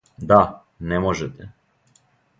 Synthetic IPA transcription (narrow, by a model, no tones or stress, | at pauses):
d̪a | nɛmɔʒɛt̪ɛ